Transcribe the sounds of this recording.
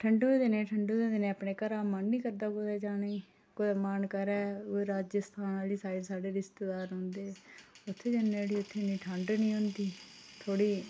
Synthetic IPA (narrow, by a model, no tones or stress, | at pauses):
ʈʰəɳɖoːd̪eːnẽːʈʰəɳɖoːd̪eːd̪eneːəpneːkəɾaːmaːnːĩːkəɾd̪aːkod̪eːd͡ʒaːneː | koːəmaːnkəɾɛːoɾaːd͡ʒəst̪ʰaːnaːliːsaːɾesaːɖeːɾɪst̪eːd̪aːɾɦõːnd̪eːʊt̪ʰːeːd͡ʒənːeːɽiːʊt̪ʰːeːnĩːʈʰaːɳɖnĩːɦʊ̃nd̪iːt̪ʰoːɽiː